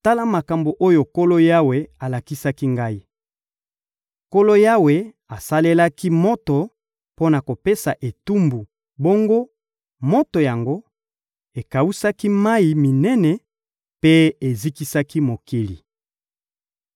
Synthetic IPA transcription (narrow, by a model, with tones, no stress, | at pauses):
ta˦la˦ma˨ka˨mbo˨ʔo˦jo˨ko˦lo˦ja˦we˨a˨la˨ki˦sa˦ki˦ŋɡa˦i˦ | ko˦lo˦ja˦we˨ | a˨sa˦le˦la˦ki˦mo˦to˨ | po˦na˨ko˨pe˦sa˨ʔe˨tu˦mbu˨ | bo˦ŋɡo˦ | mo˦to˨ja˨ŋɡo˦ | e˨ka˨wu˦sa˦ki˦ma˦i˨mi˨nɛ˦nɛ˨ | pe˦e˨zi˦ki˦sa˦ki˦mo˨ki˦li˨